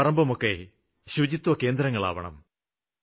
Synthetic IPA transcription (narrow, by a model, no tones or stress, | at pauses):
ɐrɐmbɐmokːe | ɕud͡ʑit̪ːwɐke̞ːnd̪ɾɐŋːɐɭa̰ːʋɐɳɐ̰m